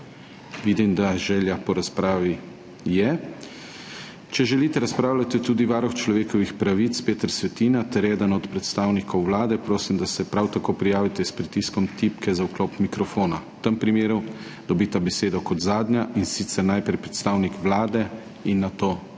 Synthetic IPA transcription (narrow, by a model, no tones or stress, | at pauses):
ʋiːd̪imd̪aʒɛːljapɔɾaspɾaːʋi | jɛ | t͡ʃɛʒɛliːt̪ɛɾaspɾaːwlʲat̪it̪uːd̪iʋaːɾɔxt͡ʃlɔʋeːkɔʋixpɾaʋit̪speːt̪əɾsʋɛt̪iːnat̪ɛɾjɛd̪ənɔt̪pɾɛt̪st̪aːwnikɔwʋlaːd̪ɛpɾoːsimd̪asɛpɾawt̪akoːpɾijaːʋit̪ɛspɾit̪iskɔmt̪ipkɛzawkloːpmikɾɔfoːna | t̪əmpɾimeːɾu | d̪̥ɔbit̪abɛseːd̪ɔkɔd̪zaːd̪nʲjaʔinsit̪sɛɾnajpɾɛjpɾɛt̪st̪aːwnikʋlaːd̪ɛ | inːat̪oː